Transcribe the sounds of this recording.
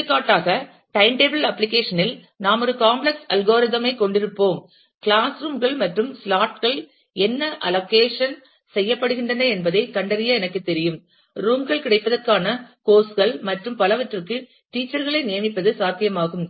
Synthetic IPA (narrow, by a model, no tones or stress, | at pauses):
kːaːʈːaːɣɐ | ʈɐɪmʈeːbɐlɐpːlɪkeːʂɐnɪl | naːmɔɾɯkaːmblɛksɐlɣoːɾɪðɐmɐɪkɔɳɖɪɾɯpːoːm | kɪɭaːsɾuːmɡɐɭmɐʈrɯmslaːʈɣɐɭ | ɛnːɐʔɐloːkeːʂɐn | sɛjːɐpːɐɽɯɣɪɳdrɐnɐɛnbɐðɐɪkɐɳɖɐɾɪjɐɛnɐkːɯt̪ːɛɾɪjɯm | ɾuːmɡɐɭkɪɽɐɪpːɐðɐrkaːnɐkoːsɣɐɭmɐʈrɯmpɐlɐʋɐʈrɯkːɯ | ʈiːt͡ʃːɐɾɣɐɭɐɪnɪjɐmɪpːɐðɯsaːt̪ːɪjɐmaːɣɯm